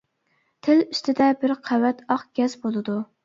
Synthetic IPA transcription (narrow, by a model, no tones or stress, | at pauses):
t̪ʰɪlyst̪ʰɪd̪ɛbɪɾqʰæwɛt̪ɑqɡʲɛzbolˠɨd̪u